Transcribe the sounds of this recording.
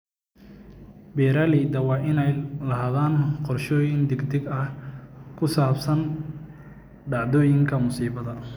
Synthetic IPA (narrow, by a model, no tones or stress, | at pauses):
bɛːɾaːlid̪ɐwɑːʔɪnɛjlɐɦaːðaːnqɔrʃɔːjɪnd̪ɪɡd̪ɪɡɐhkʰʊsaːbsɐn | ɖɑʕðɔːjɪŋkʰɐmʊsiːβɐðɐ